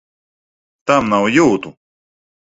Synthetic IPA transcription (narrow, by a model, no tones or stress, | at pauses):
t̪amnawjuːt̪u